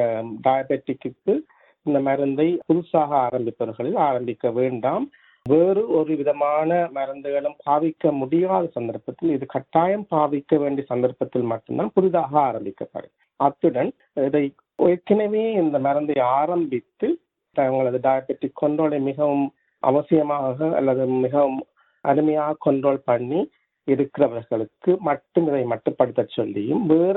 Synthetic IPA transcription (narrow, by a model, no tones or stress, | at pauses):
ɖɐjɐbɛʈːɪkːɯkːɯ | ɪnd̪ɐmɐɾɐnd̪ɐɪpʊðɯsaːɣɐaːɾɐmbɪpːɐʋɾɣɐɭɪlaːɾɐmbɪkːɐʋeːɳɖaːm | ʋeːɾɯɔɾɯʋɪðɐmaːnɐmɐɾɐnd̪ɯɣɐɭɯmpaːʋɪkːɐmʊɽɪjaːðɐsɐnd̪ɐɾpɐt̪ːɪlɪðɯkɐʈːaːjɐmpaːʋɪkːɐʋeːɳɖiɐsɐnd̪ɐɾpɐt̪ːɪlmɐʈːɯmd̪aːnpʊɾɯðaːɣɐaːɾɐmbɪkːɐpːɐ̰ɽɯ̰ | ɐt̪ːɯɽɐn | ɪðɐɪ | ʔɔjɐkːɪnɐʋeːɪnd̪ɐmɐɾɐnd̪ɐɪaːɾɐmbɪt̪ːɯ | t̪ɐŋɡɐɭɐðɯɖaːjɐbɛʈːɪkʰːɔɳɖoːɭɐɪmɪɣɐʋɯm | ʔɐ̰ʋɐsɪjɐmaːɣɐɐ̰lːɐðɯmɪɣɐʋɯm | ʔɐɾɯmɐjaːɣɐkɔɳɖroːlpɐɳːi | ɪɾɯkːɪɾɐʋɐɾɣɐɭɯkːɯmɐʈːɯmɪðɐɪmɐʈːɯpːɐɽɯt̪ːɐt͡ʃːɔlːɪjɯmʋeːɾ